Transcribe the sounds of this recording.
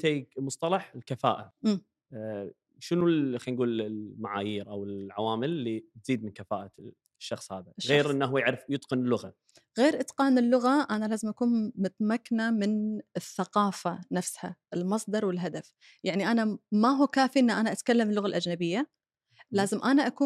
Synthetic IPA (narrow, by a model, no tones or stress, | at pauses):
t̪eːɡmʊsˤt̪ˤɑlɑħɪlkafa̰ːʔaʔmː | ʃɪnuxanɡuːlɪmaʕaːjiːɾʔawɪlʕawaːmɪlːit̪z̥iːd̪̚mɪnkafa̰ːʔa | ʃːɑxsˤhaːðaʃɣeːɾʔɪnːaɦuːjaʕɾɪfjɨt̪ˤqɪnɪlːʊɣa | ɣeːɾʔɪt̪qɑːnɪlːʊɣaʔanalaːzɪmʔakuːnmʊt̪makːnamɪnɪθːaqɑːfanafsha̰ɪlmɑsˤd̪ɑɾˤwɪlɦad̪af | jaʕniʔanamaɦuːkaːfiʔɪnːaʔanaʔat̪kalːamːɪlːʊɣalʔad͡ʒnabɪjːa | laːzɪmʔanaʔakuːn